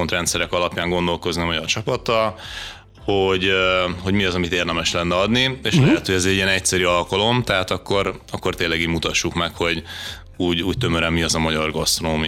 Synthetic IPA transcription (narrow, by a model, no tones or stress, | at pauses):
ont̪rɛnt̪sɛɾɛkɒlɒpjaːŋɡo̞nd̪o̞lko̞zniɒmɒɟɒrt͡ʃɒpɒt̪ːɒl | ho̞ɟho̞ɟmiɒzɒmit̪eːrd̪ɛmɛʃlɛnːɛɒd̪nieːʃllɛɦɛt̪hoɛzɛɟiɛnɛc̚sɛɾyɒlkɒlo̞mt̪ɛɦaːt̪ɒkːo̞rɒkːo̞rt̪eːnlːɛɡiɟmut̪ɒʃːukmɛkho̞ɟ | uːɟuːct̪ø̞møɾɛmːiɒzɒmɒɟɒrɡɒst̪rooːmi